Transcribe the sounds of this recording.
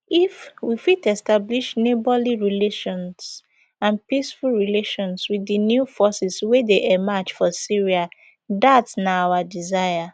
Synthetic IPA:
ifwifitɛstabliʃnebɔliɹileʃɔ̃ns | ãnpisfulˠɹileʃɔ̃nswidɨnjufɔsiswedeʔɛmat͡ʃfɔsiɹia | datnaawadizaɪja

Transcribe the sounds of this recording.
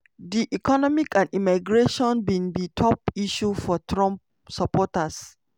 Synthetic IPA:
diʔikɔnɔmikãndimaɡɹeʃɔ̃nbĩnbitʰɔp̚iʃufɔtɹɔ̃mp | sapɔtas

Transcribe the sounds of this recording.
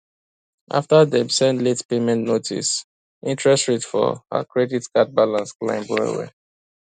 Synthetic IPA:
ʔa̰ftəðɛmsɛ̃ndletpemɛ̃nnotʰḭs | ʔĩntʰɹɛstɹitfɔ̰hə̰kɹɛditkat̚balãnsklã̰ɪ̃mbɹɔwɛ̰

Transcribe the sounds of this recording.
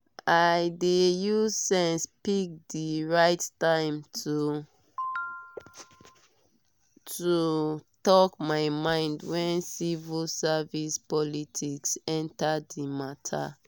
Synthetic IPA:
ʔaɪdejusɛ̃nspik̚diɹaɪttãɪ̃mtu | tʰutɔkmaɪmãɪ̃ndwɛ̃nsivilsavispɔlitʰiksɛ̃ntaimatʰa̰

